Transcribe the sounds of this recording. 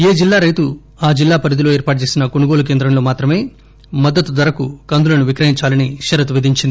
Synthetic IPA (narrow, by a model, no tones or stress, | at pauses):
eːd͡ʒilːaːɾɐjt̪u | aːd͡ʒilːaːpɐɾid̪ilo̞ːeːɾpaːʈ̚ut͡ʃeːsinɐkonuɡo̞ːluk̬e̞ːnd̪ɾɐmloːmaːt̪ɾɐme̞ː | mɐd̪ːɐt̪ud̪ɐɾɐkukɐnd̪ulɐnuʋikɾɐɦiɲt͡ʃaːlɐniʃɐɾɐt̪̬uʋid̪ʱiɲt͡ʃind̪i